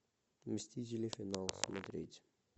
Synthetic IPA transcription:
mʲəsʲt̪ʲit̬ʲɪlʲefʲɪnalˠsmɐt̪ɾʲetʲ

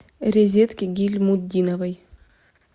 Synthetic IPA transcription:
ɾʲɪzʲet̪kʲɪɡʲilʲmud̪ʲinɐvɐj

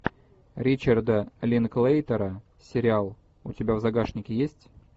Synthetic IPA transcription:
ɾʲit͡ɕərd̪əlʲɪnklˠejt̪əɾə | sʲɪɾʲɪalˠ | ʊtʲɪbʲavzɐɡaʂnʲɪkʲɪjesʲtʲ

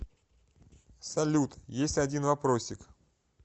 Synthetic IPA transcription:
sɐlʲut̪jesʲtʲɐdʲinvɐpɾosʲːɪk

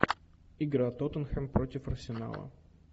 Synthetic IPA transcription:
iɡɾat̪ot̪ənxɛmpɾot̪ʲɪfɐrsʲɪna̰lˠə̰

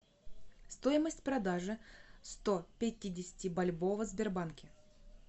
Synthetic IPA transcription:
st̪o̞jɪməsʲtʲpɾɐd̪aʐɨst̪opʲɪtʲidʲɪsʲɪ̥tʲɪbɐlʲbo̞vəzbʲɪrbankʲɪ

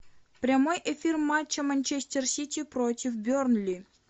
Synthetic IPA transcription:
prʲamojʔefʲirmat͡ɕːəmanʲt͡ɕesʲtʲersʲit̪ʲiprotʲifbʲørnlʲi

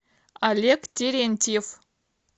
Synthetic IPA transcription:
alʲekt̪ʲeɾʲenʲt̪ʲif

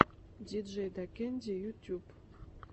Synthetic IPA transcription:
d̪ʲid̪ʒejd̪akʲenʲd̪ʲejutʲup

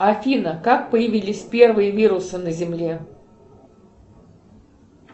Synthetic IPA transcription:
ɐfʲinəkak̚pəjɪvʲilʲɪsʲpʲe̞rvɨjəvʲiɾʊsɨnəzʲɪmlʲe

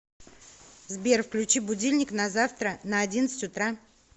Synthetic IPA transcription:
zbʲerfklʲʉt͡ɕibʊdʲilʲnʲɪknɐzaft̪ɾənəɐdʲinət̪sɨ̥tʲʊt̪ɾa

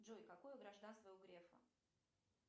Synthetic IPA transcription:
dʐojkɐkojʊɡɾɐʐd̪anst̪vəjoɡɾʲefə̰

